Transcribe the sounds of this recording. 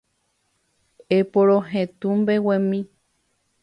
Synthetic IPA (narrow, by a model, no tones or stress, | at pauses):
epoɾõɦẽt̪ũmbewẽmĩ